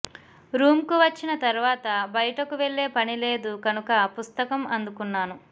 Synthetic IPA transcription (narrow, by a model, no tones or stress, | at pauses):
ɾuːmkuʋɐt͡ʃːinɐt̪ɐɾuʋaːt̪ɐbɐjɐʈɐkuʋeɭːe̞ːpɐnile̞ːd̪ukɐnukɐpust̪ɐkɐmɐnd̪ukunːaːnu